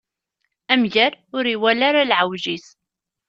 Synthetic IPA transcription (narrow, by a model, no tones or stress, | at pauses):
æmʝæɾʊɾiwælaɾalʕawʒis